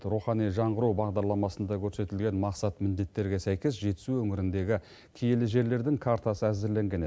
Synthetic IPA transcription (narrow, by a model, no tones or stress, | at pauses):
t̪ɾuχɑnijʒɑɴʁəɾuwbɑʁd̪ɑɾlˠɑmɑsənd̪ɑkʲʰɵɾse̞t̪ɪlɡʲe̞nmɑqsɑt̪mɪnd̪e̞t̪ːe̞ɾɡʲe̞sæjkʲe̞s̬ʒe̞t̪ɪ̥suɵŋɪɾɪnd̪e̞ɡʲɪ | kʲʰijelɪʒe̞ɾle̞ɾd̪ɪŋkʰaɾt̪ɑsəæzɪɾle̞ŋɡʲene